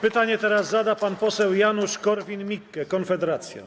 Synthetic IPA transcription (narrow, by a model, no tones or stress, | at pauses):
pɘt̪aɲɛt̪ɛɾazːad̪apanpɔsɛwjanuʂkɔɾvʲinmʲikːɛkɔnfɛd̪ɛɾat̪sʲja̰